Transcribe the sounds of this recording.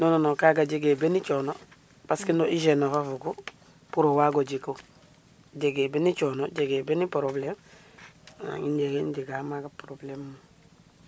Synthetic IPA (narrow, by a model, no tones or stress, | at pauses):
nononokaɡaɟeɡeːbenit͡ʃono | paskindoʔiʃenofafuɡo | puɾowaɡoɟiko | ɟeɡebenit͡ʃonoɟeɡebenipɾoblem | a̰ŋinɟeɡendiɡamaɡapɾoblemːu